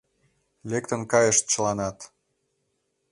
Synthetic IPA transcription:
lekt̪ə̆nkɑjəʃt̪̚t͡ɕəlɑnɑt̪

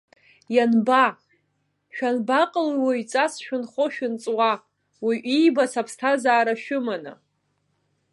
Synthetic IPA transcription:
janba | ʃᶣanbaqʼəlwait͡sʼasʃᶣʊnχoʃᶣɪnt͡sʼwa | wiʔijbasapʰstʰazaːɾaʃʊmanɨ̰

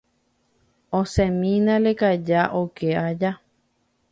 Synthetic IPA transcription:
õsẽmĩnãlekad͡ʒaʔokʰead͡ʒa

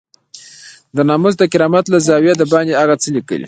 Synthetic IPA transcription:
d̪ənɑmʊzd̪əkɪɾɑmat̪lazɑwjed̪əbɑnd̪eaɣat͡səlikə̰lḭ

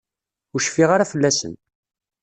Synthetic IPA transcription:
ʊɾʃfiʁaɾafəlːæsə̰n

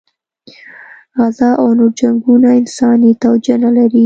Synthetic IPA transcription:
ɣazɑʔawnoɾd͡ʒaŋɡunaɪnsɑnit̪awd͡ʒanalaɾi

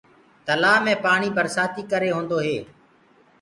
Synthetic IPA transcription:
t̪əlaːmẽːpaːɳiːpəɾsaːt̪iːkəɾeːɦõːnd̪oːɦeː

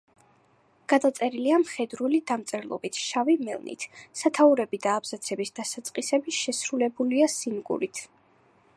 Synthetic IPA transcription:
ɡ̥ad̪at̪sʼɛɾiliamχɛd̪ɾulid̪amt̪sʼɛɾlˠɔ̰bit̪ʰʃavimɛ̰lˠnḭt̪ʰsat̪ʰauɾɛbid̪aːbz̥at̪sʰɛbisd̪̥asat̪sʼqʼisɛbiʃɛsɾulɛbuliasinɡṵɾit̪ʰ

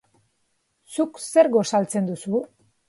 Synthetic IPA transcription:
sukse̞ɾɣo̞salt͡se̞nd̪usu

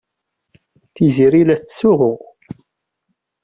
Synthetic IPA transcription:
θiziɾilæθsʊʁʊ

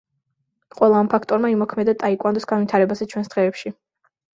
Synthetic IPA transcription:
qʼwɛlˠaːmpʰakʰt̪ʼɔɾmaimɔkʰmɛd̪at̪ʼaikʼwand̪ɔsɡ̥anwit̪ʰaɾɛbazɛt͡ʃʰwɛnsd̪̥ʁɛːpʃi

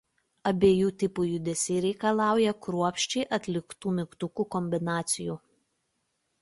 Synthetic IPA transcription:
ɐbʲeːjuːt̪ʲɪpuːjʊd̪ʲɛsʲɛɪɾʲɛɪkɐlˠɑˑʊjɛkɾuɔpʲʃʲt͡ʃʲɛɪʔɐt̪ʲlʲɪkt̪uːmʲɪkt̪ʊkuːkɔmʲbʲɪnɑːt̪sʲɪjuː

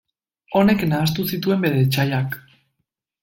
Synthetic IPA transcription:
o̞ne̞knaːst̪usit̪ue̞mbe̞ðet͡ʃaʎak

